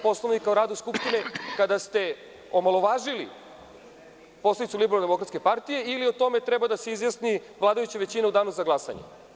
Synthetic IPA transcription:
po̞slˠoʋnikauɾaːd̪uskupʃt̪ine̞kad̪ast̪e̞ | o̞malo̞ʋaːʒilḭ | po̞sled̪it̪sulibeɾalnd̪eo̞kɾat̪ske̞paɾt̪ije̞ilio̞t̪o̞me̞t̪ɾɛbad̪aseizjasniʋlˠaːd̪ajut͡ɕeʋe̞t͡ɕineud̪aːnuzaɡlasa̰ɲḛ

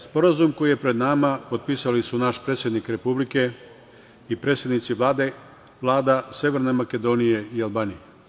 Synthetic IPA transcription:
spo̞ɾazumko̞jije̞pɾe̞d̪namapo̞d̪t̪̚pisalisunaʃpɾet̪sʲjed̪nikɾe̞publike̞ | ipɾe̞ːt̪sʲjed̪nit̪siʋlˠaːd̪e̞ | ʋlˠaːd̪ase̞ʋeɾnemake̞d̪o̞nije̞ialˠbaːnije

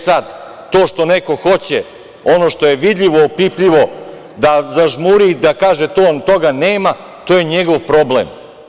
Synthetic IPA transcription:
sad̪ | t̪oːʃt̪o̞neko̞xo̞t͡ɕe | o̞no̞ʃt̪o̞jeʋid̪ʎʲiʋoːpipʎiʋo̞ | d̪azaʒmuɾid̪akaːʒet̪oːt̪o̞ɡaneːma | t̪oːjeɲeɡoʋpɾo̞blḛm

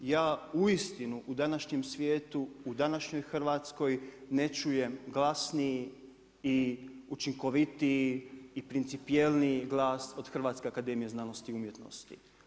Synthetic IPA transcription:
jaːuist̪inuʔud̪anaʃɲe̞msʋje̞ːt̪uud̪anaʃɲo̞jxr̩ʋaːt̪sko̞jne̞t͡ʃuje̞mɡlˠasnii | iut͡ʃiŋko̞ʋit̪iiːpɾint̪sipielniɡlˠaːso̞d̪̥xr̩ʋaːt̪skʲe̞akad̪e̞mije̞znano̞st̪iumje̞t̪no̞̰st̪ḭ

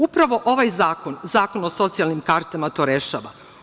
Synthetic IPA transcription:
upɾaʋo̞ʔo̞ʋajzaːko̞nzaːko̞noso̞t̪sialˠnimkaɾt̪amat̪o̞ɾe̞ʃaːʋa̰

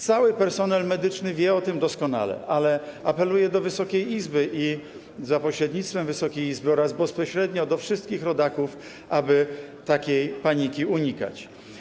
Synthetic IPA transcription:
t̪sawɘpɛɾsɔnɛlmɛd̪ɘt͡ʂnɘvʲjɛɔt̪ɘmd̪ɔskɔna̰lɛ̰ʔalɛapɛlujɛd̪ɔvɘsɔkʲejizbɘʔi | zapɔɕɾɛd̪ɲit̪st̪fɛmvɘsɔkʲejizbɘɔɾazbɛspɔɕɾɛd̪ɲɔd̪ɔfʂɘst̪̚kʲixɾɔd̪akuf | abɘt̪akʲejpaɲikʲiuɲika̰t͡ɕ

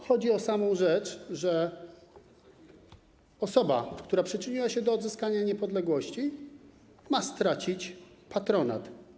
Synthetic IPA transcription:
xɔd͡ʑiɔsamɔ̃w̃ʐɛt͡ʂʐɛ | ɔsɔba̰kt̪uɾapʂɘt͡ʂɘɲiwaɕɛd̪ɔːd̪zɘskaɲaɲɛpɔd̪lɛɡwɔɕt͡ɕi | mast̪ɾat͡ɕit͡ɕpat̪ɾɔna̰t̪

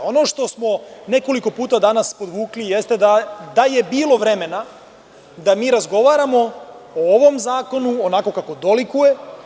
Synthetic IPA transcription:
o̞no̞ʃt̪o̞smo̞ne̞ko̞liko̞puːt̪ad̪anaspo̞d̪ʋuːklijest̪e̞d̪ad̪aje̞biːlˠo̞ʋɾe̞me̞na | d̪amiːɾazɡo̞ʋaːɾamo̞ooʋo̞mzaːko̞nuonako̞kako̞d̪o̞likuje̞

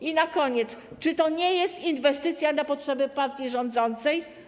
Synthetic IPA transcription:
inakɔɲɛt̪st͡ʂɘt̪ɔɲɛjɛst̪invɛst̪ɘt̪sʲjanapɔtʂɛbɘpaɾt̪ʲjiʐɔnd̪zɔnt̪sɛj

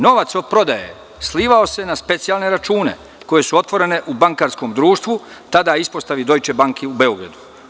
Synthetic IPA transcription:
no̞ʋat̪sod̪̚pɾo̞d̪ajḛ | sliːʋao̞se̞naspe̞t̪sijalˠne̞ɾat͡ʃuːne̞̰ | ko̞je̞suo̞t̪ʋo̞ɾe̞ne̞ʔubaŋkaːɾsko̞ːmd̪ɾuːʃt̪ʋu | t̪ad̪aispo̞st̪aʋid̪o̞jt͡ʃe̞baŋkʰeube̞o̞ɡɾa̰d̪u

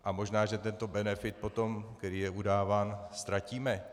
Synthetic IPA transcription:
ʔamo̞ʒnaːʒɛt̪ɛnt̪o̞bɛnɛfɪt̪̚po̞t̪o̞mk̪ɛɾiːjɛʔudaːvaːnst̪ɾaciːmɛ

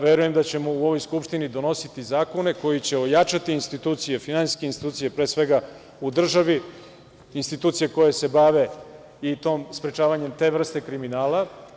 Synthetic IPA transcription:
ʋeɾuje̞md̪at͡ɕe̞mouo̞ʋo̞jskupʃt̪inid̪o̞no̞sit̪izaːko̞ne̞ko̞jit͡ɕe̞ojat͡ʃat̪iːnst̪it̪uːt̪sijefinansi̥skʲeinst̪i̥t̪uːt̪sije̞pɾe̞ːsʋe̞ɡa | ud̪r̩ʒaʋiː | nst̪it̪uːt̪sijeko̞jese̞baʋe̞ | it̪o̞ːmspɾet͡ʃaːʋaɲe̞mt̪e̞ːvr̩st̪e̞kɾiminaːla

